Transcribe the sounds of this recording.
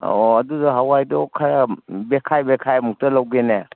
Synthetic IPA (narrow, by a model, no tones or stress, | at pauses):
ɔɐdudɐɦawajdɔkʰɐɾɐbekʰajbekʰajmuk̚tɐlawɡene